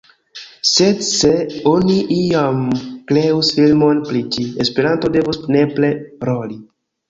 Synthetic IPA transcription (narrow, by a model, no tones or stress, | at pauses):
sedse̞oniʔiamkɾeusfilmo̞npɾit͡ʃiespeɾanto̞de̞vusne̞ple̞ɾoli